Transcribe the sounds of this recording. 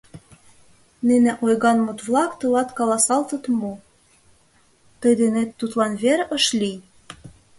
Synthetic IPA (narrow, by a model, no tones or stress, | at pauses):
nenĕʔojɣɑnmut̪βlˠɑkt̪ɤ̆lɑt̪kɑlɑsɑlt̪ɤ̆t̪mo | t̪ɤ̆jd̪enet̪ːut̪lɑnβeɾʔə̆ʃlʲi